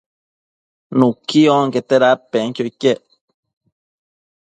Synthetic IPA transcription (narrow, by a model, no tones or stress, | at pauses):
nukioŋket̪eɾapeŋkʲjoikeʔ